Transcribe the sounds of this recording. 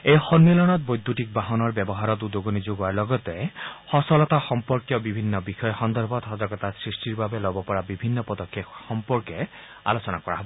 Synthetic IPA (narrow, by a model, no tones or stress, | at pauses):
ejxɔnmelɔñɔt̪̚bojd̪ʱːuʈik̚baɦɔnɔɾbɔbɔɦaɾɔt̪ud̪oɡonid͡ʒoɡɔaɾlɔɡɔt̪ehɔsɔlɔt̪axɔmpɔɾkjɔbibʱinːɔbixɔjɔxɔnd̪ɔɾbɔt̪ɦɔzaɡɔt̪asɾisʈiɾbabelɔbɔpɔɹabibʱinːɔpɔd̪ɔkʰːekxɔmpɔɾkɔ | a̰lot͡ʃɔnakɔɾaɦɔbɔɔ